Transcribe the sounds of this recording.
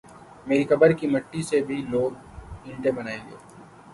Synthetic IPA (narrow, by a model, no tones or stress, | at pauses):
meːɾixɐbəɾkimɐʈːisebʱiloːɡ | ɪ̃ɳʈẽbɐnaːẽːŋɡḛː